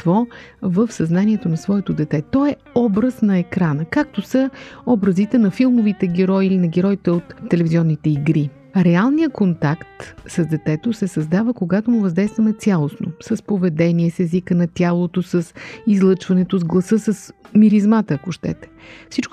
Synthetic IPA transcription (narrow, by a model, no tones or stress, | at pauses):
vɔvəfsɐznaniɛt̪onɐsvɔɛt̪od̪ɛt̪ɛt̪ɔɛ | ɔbɾəsnɐɛkɾanəkak̚t̪osəɔbɾəzit̪ɛnɐfilˠmovit̪ɛɡʲɛɾɔiilinɐɡʲɛɾɔit̪ɛot̪ːɛlɛviziɔnːit̪ɛiɡɾi | ɾɛalˠnijəkont̪akt̪səzd̪ɛt̪ɛt̪osɛsɐzd̪avəkoɡat̪omuvɐzd̪ɛjst̪vəmɛt̪sʲjalˠosno̰səspovɛd̪ɛniɛsɛzikənɐt̪ʲjalˠot̪osəsizlˠɤt͡ʃvɐnɛt̪ozɡlˠɐsɤsəsmiɾizmat̪əːkoʃt̪ɛ̰t̪ɛ̥fsit͡ʃk